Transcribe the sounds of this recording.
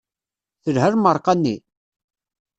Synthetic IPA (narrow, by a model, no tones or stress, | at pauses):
θəlhəɾməɾˤqɑnːi